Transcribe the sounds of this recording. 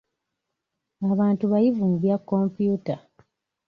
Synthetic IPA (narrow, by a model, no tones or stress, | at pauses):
aβaːntuβajivumuβjakːo̞mpjuːta